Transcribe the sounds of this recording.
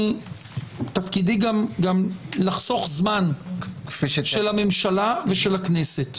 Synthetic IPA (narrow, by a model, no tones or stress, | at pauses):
tafkidiɡamɡamlaχso̞χzman | ʃelamemʃalave̞ʃe̞lakneset